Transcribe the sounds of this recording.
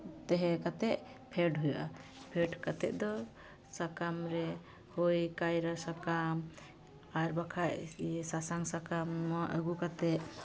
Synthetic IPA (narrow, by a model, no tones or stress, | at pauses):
t̪ɛɦɛkat̪ɛʔ | pʰɛɖɦujaʔapʰɛɖkat̪ɛʔ̚ˀd̪ɔ | sakamɾɛ | hɔjkajɾasakam | aɾbakʰaʔsasaŋsakamːɔaʔəɡukat̪ɛʔ